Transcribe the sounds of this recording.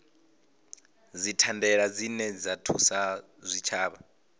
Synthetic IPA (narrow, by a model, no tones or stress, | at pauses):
d͡zitʰandɛɺad͡zinɛd͡zatʰusa | zʷit͡ʃʰaːβa